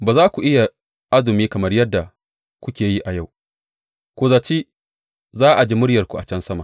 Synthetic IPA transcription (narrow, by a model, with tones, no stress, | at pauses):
baː˨zaː˦kʷu˨ʔɪ˦ja˨ | ʔa˦zʊ˨miː˦kɐ˨mɐ˦rjɐ˦dːa˨ | kʷʊ˦kʲeː˨ji˦ʔa˨ja˦˨w | kʷoː˨za˨t͡ʃiː˦ | zaː˦ʔa˨d͡ʒiː˦mʊ˦ɽjɐ˨rkʷu˨ʔa̰˨t͡ʃɐ˦nsɐ˦maː˨